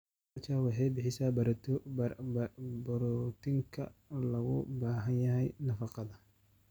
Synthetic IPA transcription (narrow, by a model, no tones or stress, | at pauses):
t͡ʃʰawɑħɑjbɪħɪsaːbɐɾt̪ʰ | bɾt̪ʰɪŋkʰɐ̰lɐɣʊbaːɦɐnjɐɦɛjnɐfɑqɑðɐ